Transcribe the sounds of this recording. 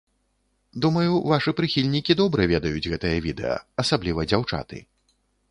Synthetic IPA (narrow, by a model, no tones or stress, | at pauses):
d̪umɐjuvaʂɨpɾɨxʲilʲnʲikʲid̪ɔbɾɨvʲɛd̪ɐjud͡zʲɣɛt̪ɐjɐvʲid̪ɛ̰jɐ̰ɐsablʲivɐd͡zʲawt͡ʂa̰t̪ɨ̰